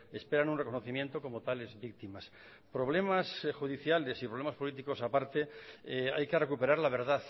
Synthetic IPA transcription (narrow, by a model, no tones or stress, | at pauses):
e̞spe̞ɾanunrekono̞θimje̞nt̪o̞ko̞mot̪ale̞zβik̚t̪imas | pɾo̞β̞le̞masxuðiθjale̞sipɾolemaspo̞lit̪iko̞sapaɾt̪e̞ajke̞re̞kupe̞ɾaɾlaβ̞e̞ɾðaθ